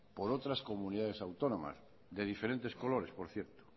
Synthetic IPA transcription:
po̞ɾot̪ɾasko̞muniðaðesawt̪o̞nõma̰z | ðe̞ð̞ifeɾe̞nt̪e̞sko̞lo̞ɾe̞spo̞ɾθjeɾt̪o̥

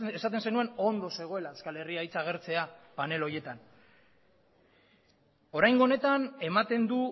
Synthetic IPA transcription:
esat̪e̞nse̞nue̞no̞nd̪o̞se̞ɣ̞o̞e̞laeskale̞riajt͡saːɣ̞e̞ɾt͡se̞apane̞lo̞je̞t̪an | o̞ɾajŋɡo̞ne̞t̪ane̞mat̪e̞nd̪u

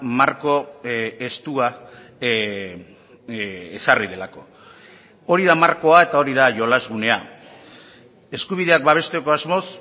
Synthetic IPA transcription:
maɾko̞est̪ua | esarið̞e̞lako̞ | o̞ɾiðamaɾko̞ae̞t̪ao̞ɾiðaʝo̞lazɣune̞a̰ | e̞skuβ̞iðe̞ak̚baβ̞e̞st̪eko̞azmo̞s

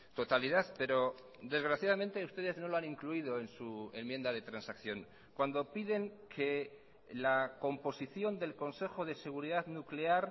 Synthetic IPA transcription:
t̪o̞t̪aliðaðpe̞ɾo̞ | d̪e̞zɣɾaθjað̞ament̪e̞ust̪e̞ðe̞zno̞loanĩŋkluiðo̞e̞nsue̞mje̞nd̪aðe̞t̪ɾansakθjo̞ŋ | kwand̪o̞piðe̞ŋkʰe̞ | lako̞mpo̞siθjo̞nd̪e̞lko̞nse̞xo̞ðe̞se̞ɣ̞uɾiðaðnukle̞aɾ

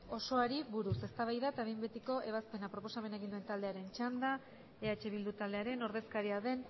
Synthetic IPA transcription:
o̞so̞aɾiβuɾuse̞st̪aβajðaet̪aβejmbet̪iko̞ʔe̞β̞aspe̞napɾo̞po̞same̞naeɣind̪uent̪ald̪e̞aɾe̞nt͡ʃand̪a | eat͡ʃe̞β̞ild̪ut̪ald̪e̞aɾe̞no̞ɾðe̞skaɾiaðe̞n

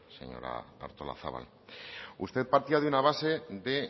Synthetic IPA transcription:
se̞̰ɲo̞̰ɾa̰t̪aɾt̪ola̰θa̰βa̰l | ust̪e̞ðpaɾt̪iaðunaβ̞ase̞ðe̞

